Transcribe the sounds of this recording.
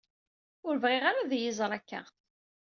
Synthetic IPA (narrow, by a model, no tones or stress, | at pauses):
ʊɾəvʁeʁaɾaðijɪzˤɾˤækːa̰ʁ